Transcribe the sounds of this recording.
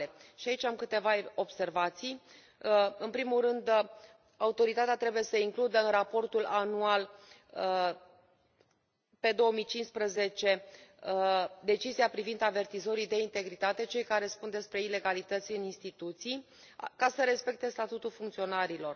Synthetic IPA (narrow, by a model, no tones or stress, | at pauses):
eʃiait͡ʃʲamkɨt̪e̞vao̞bse̞rvat̪sij | ɨnpɾimulrɨnd̪ | aut̪o̞ɾit̪at̪eat̪ɾe̞buje̞səiŋklud̪əɨnrapo̞rt̪ulanual | pe̞d̪o̞omijt͡ʃinspɾəze̞t͡ʃe̞ | d̪e̞t͡ʃiziapɾivind̪ave̞rt̪izo̞ɾid̪e̞int̪e̞ɡɾit̪at̪e̞t͡ʃe̞jkaɾe̞spund̪e̞spɾe̞ile̞ɡalit̪ət̪sʲɨninst̪it̪ut̪sij | kasəɾe̞spe̞k̚t̪e̞st̪at̪ut̪ulfuŋkt̪sio̞naɾilo̞r